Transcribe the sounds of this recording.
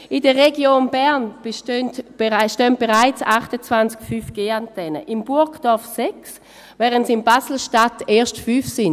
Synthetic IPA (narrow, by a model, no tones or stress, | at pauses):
idəʁeɡjoːnbɛɐnb̥eʃtøntb̥eʃtœnt̚b̥eʁaɪt͡saχtət͡svant͡skfyːfɡ̥eːantɛnəʔimbʊɐkd̥ɔɐfsɛks | vɛːʁəntsimbasl̩ʃtateːɐʃtfyːfsin